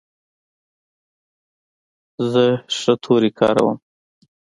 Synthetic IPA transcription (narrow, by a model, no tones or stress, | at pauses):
zəʂət̪ʰoɾikʰɑ̰ːɾa̰wə̰m